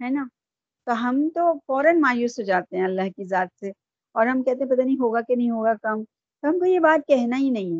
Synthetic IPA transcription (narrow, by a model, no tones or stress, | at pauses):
ɦɛːnaː | t̪oɦɐmt̪ofɔːɾənmaːjuːsɦod͡ʒaːt̪eɦɛ̃ɐlːaɦkizaːt̪̚se | ɔːɾɦɐmkɛɦt̪eɦɛ̃pɐt̪aːniĩɦoːɡakenɐɦĩɦoːɡakɐm | t̪oɦɐmkojebaːt̪̚kɛɦnaɦinɐɦĩɦɛː